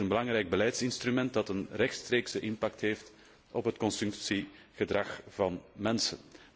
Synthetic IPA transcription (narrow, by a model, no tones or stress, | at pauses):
ənbəlɑŋɾɛjɡ̚bəlɛjtsɪnst̪rymɛnt̚dɑtənrɛxtstreːksəʔɪnpɑk̚tɦeːft | ʔɔpɦətkɔnsɵmsi | ɣədrɑxv̥ɑnmɛnsən